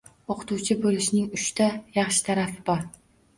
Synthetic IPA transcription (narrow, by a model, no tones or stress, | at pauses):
oqʰʊ̥t̪ʰuwt͡ʃʰɪbɵlˠɪʃnɪŋʊʃt̪ʰajɑχʃɪ̥t̪ʰaɾafɪbɒɾ